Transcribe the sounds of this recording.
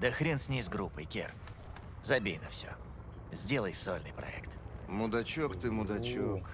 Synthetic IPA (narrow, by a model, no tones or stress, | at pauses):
d̪əxɾʲensʲnʲijzɡɾupːɨjkʲḛr | zɐbʲejnəfsʲo̰ | zʲdʲelˠəjso̰lʲnɨ̰jpɾɐ̰ɛ̰kt̪mʊd̪ɐt͡ɕokt̪ɨmʊd̪ɐt͡ɕok